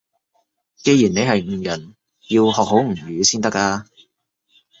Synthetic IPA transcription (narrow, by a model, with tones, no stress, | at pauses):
ke˧jiː˨˩ne˨˧jɦɐ˨jŋ̩ː˨˩jɐ˨˩n | jiː˧whɔː˨k̚ho˨˥wŋ̩˨˩ɥyː˨˧siː˥nt̪ɐ˥k̚aː˧